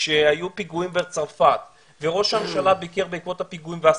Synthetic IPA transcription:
ʃeajupiɡuimvet͡saʁfat̪ | veʁo̞ʃamʃalabikeʁbeikvo̞t̪hapiɡuimvea

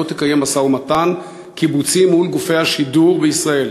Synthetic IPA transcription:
ot̪ekaje̞masaumatan | kibut͡simːulɡufe̞jhaʃiduʁbeisʁae̞l

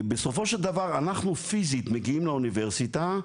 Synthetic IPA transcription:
beso̞fo̞ʃeld̪avaʁanaχnufizit̪meɡiimlauniveʁsit̪a

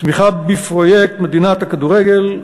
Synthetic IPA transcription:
smiχabifʁojek̚t̪med̪inat̪akad̪uʁeɡel

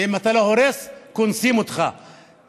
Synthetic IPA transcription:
imat̪alahoɾeskʊnsimut̪χa̰

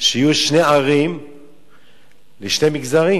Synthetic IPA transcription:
ʃeijuʃneaʁim | leʃne̞miɡzaʁi

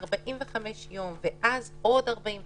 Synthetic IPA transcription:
ʁbaʔinvɛχamɛʃjomvɛʔaz | odaʁbain

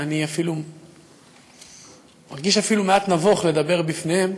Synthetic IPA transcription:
aniafilu | maʁɡiʃafilumeat̪navoχle̞d̪abe̞ʁbifnehe̞m

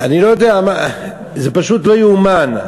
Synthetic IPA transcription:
anilo̞jod̪eama | zepaʃut̪lojuman

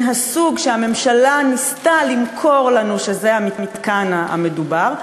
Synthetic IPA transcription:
ɦasuɡʃeame̞mʃalanist̪alimkʰo̞ʁlanuʃe̞zeamimit̪kanaa̰me̞dubaʁ

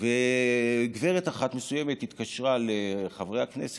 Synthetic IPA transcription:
ve | ɡveʁet̪aχat̪me̞sujeme̞t̪hit̪kaʃʁaleχavʁejhaknḛse̥

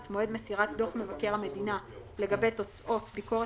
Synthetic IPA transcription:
t̪mo̞e̞dmesiʁat̚do̞χme̞vakeʁhame̞dina | le̞ɡabe̞jto̞t͡sʔo̞tbiko̞ʁe

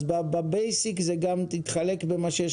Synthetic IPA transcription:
bababejsikzeɡamt̪it̪χalekbemaʃejɛ

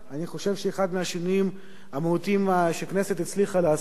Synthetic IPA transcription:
aniχo̞ʃe̞vʃeːχad̪meaʃenim | amehut̪imaʃekneset̪it͡sliχalea

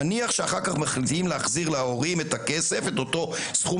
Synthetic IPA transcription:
niaχʃeaχaʁkaχmaχlit̪imleaχziʁlao̞ʁimetakese̞fe̞t̪o̞to̞sχu

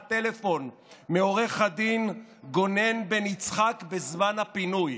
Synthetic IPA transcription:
t̪ele̞fo̞n | meo̞ʁeχad̪inɡo̞ne̞nbenit͡sχakbezmanhapinuj

